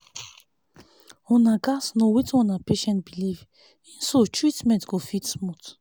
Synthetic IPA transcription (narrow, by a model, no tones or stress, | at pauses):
ɔ̃naɡasnowit͡ʃɔ̃napeʃɛ̃ntbiliv | ĩnsotʰɹitmɛ̃ntɡofitsmut